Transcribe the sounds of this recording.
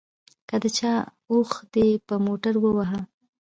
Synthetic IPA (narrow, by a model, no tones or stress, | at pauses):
kəd̪ət͡ʃɑ | oxd̪̥epəmoʈaɾwəwaɦa